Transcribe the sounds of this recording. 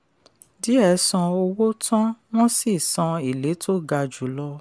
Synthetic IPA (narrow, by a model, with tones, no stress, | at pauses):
di˨˦ɛ˦˨˦sã˧o˧wo˦tʰã˦w̃ɔ̃˦si˦˨sã˧i˨le˨˦tʰo˦ɡa˧d͡ʒu˨˦lɔ˦